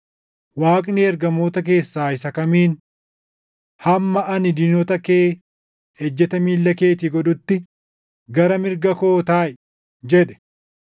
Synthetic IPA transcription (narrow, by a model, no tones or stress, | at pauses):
waːkʼneɛɾɡɐmoːt̪ɐk̬e̞ːsːaːɪsɐkɐmiːn | hɐmːɐɐnɪd̪inɔt̪ɐkeː | ɛd͡ʒːɛt̪ɐmiːlːɐke̞ːt̪ɪɡɔᶑʊt̪ːɪ | ɡɐɾɐmɪɾɡɐkoːt̪aːʔɛ | d͡ʒɛᶑɛ̥